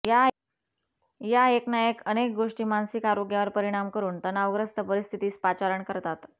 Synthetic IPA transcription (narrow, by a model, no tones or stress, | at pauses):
ja | jaeknajəkənek̚ɡoʂʈiːmansikaɾoɡjaʋəɾpəɾiɽ̃amkəɾuːnt̪ənaʋɡɾəst̪əpəɾist̪ʰit̪iːspat͡ɕaɾəɳkəɾt̪at̪